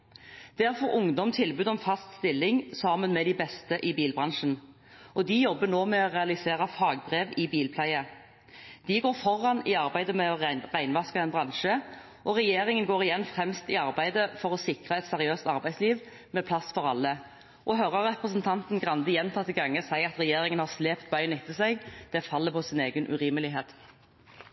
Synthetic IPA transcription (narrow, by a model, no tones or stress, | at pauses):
d̪̥æʁfɔɾʊŋd̪ɔmt̪ʰɪlbʉːd̪ɔmfɑst̪st̪ɪlːɪŋsɑːmənmɛd̪ɪbɛst̪əʔɪbiːlbʁɑnʂən̩ | ʔɔd̪ɪjɔbːənoːmɛɔʁɛɑlɪseːɾɑfɑːɡbʁeːʋɪbiːlpʰlæɪə | d̪̥ɪɡoːʁfɔʁːɑnɪɑʁbæɪd̪əmɛɔʁæɪnʋɑskəɛnbʁɑnʃə | ʔɔʁɛjeːɾɪŋənɡoːʁɪjɛnːfʁɛmst̪ɪɑʁbæɪd̪əfɔʁɔsɪkʁɑɛt̪sɛʁɪøːst̪ɑʁbæɪsliːʋ | mɛpʰlɑsfɔɾɑlːə | ʔɔɦœɾəʁʁɛpʁəsnt̪ʰɑnt̪n̩ɡʁɑnd̪əjɛnt̪ʰɑːt̪ːɪɡɑŋːəsæɪɑt̪ʁɛjeːɾɪŋənhɑʁsleːpt̪̚bɑʏnɪt̪ːəsæɪɡd̪̥ɛːfɑlːəpʰɔsɪneːɡənʔʉ̰ʁiːməlɪɦeːt̪